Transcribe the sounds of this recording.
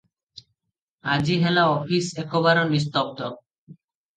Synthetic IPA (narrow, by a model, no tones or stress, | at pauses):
ad͡ʑiɦɛlaɔfisɛkoβaɾonist̪ɔb̚t̪ɔ